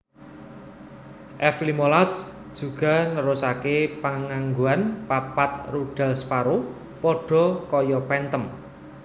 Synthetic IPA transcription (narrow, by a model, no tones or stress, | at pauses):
ʔɛflimolasd̥ʒ̥ṳɡ̥a̤nəɾʊsakepaŋaŋɡuanpapat̪̚ruɖ̥ä̤lspaɾo | pɔɖ̥ɔ̤kɔjɔpɛnt̪əm